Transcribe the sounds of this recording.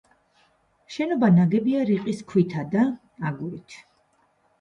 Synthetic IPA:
ʃɛnɔbanaɡɛbiaɾiqʼiskʰwit̪ʰad̪a | aɡuɾit̪ʰ

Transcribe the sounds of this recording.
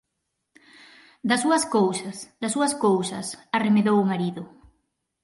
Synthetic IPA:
d̪ɐsuɐskowsɐsd̪ɐsuɐskowsɐsaremeðowʊmaɾiðʊ

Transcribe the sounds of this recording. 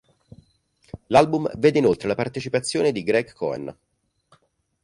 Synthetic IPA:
lalbumveːd̪einolt̪ɾelapart̪et͡ʃipat̪sːjoːned̪iɡɾɛkʰːɔ̰ɛ̰n

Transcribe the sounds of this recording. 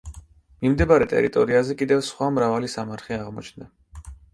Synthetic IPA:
mimd̪ɛbaɾɛt̪ʼɛ̰ɾit̪ʼɔɾiazɛkʼid̪ɛvsχwamɾavalisamaɾt̪χiaʁmɔt͡ʃʰnd̪a

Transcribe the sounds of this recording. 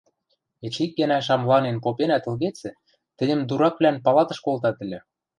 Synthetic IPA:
et͡ɕik̚ɡæ̆næʃ̬ɑmlɑnenpopenæt̪ɤ̆lɣet͡sɘ̆ | t̪ɘ̆nʲɘ̆md̪uɾɑkβlʲænpɑlɑt̪ɤ̆ʃkolt̪ɑt̪ɘ̆lʲɘ̆

